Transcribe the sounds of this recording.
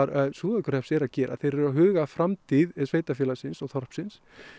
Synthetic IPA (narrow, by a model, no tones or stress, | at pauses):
ɾaðsuːðakʏɾ̥hɛpsɛɾaðcɛːɾʔa̰θejɾɛɾawɦʏːɣafɾamt̪ʰiðsveːjt̪afjɛlasɪnsɔɣθɔr̥psɪns